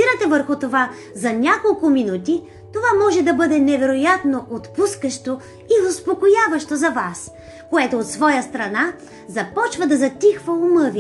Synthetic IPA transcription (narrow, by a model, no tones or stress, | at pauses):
iɾɐt̪ɛvəɾxʊt̪ova | zɐnʲakolˠkʊminut̪i | t̪ovamɔʒɛd̪ɐbɤd̪ɛnɛvɛɾojat̪noʔot̪puskəʃt̪o | iʊspokojavɐʃt̪ozɐvas | koɛt̪oːt̪svɔjəst̪ɾɐna | zɐpɔt͡ʃvɐd̪ɐzɐt̪ʲixvəʊmɤvʲi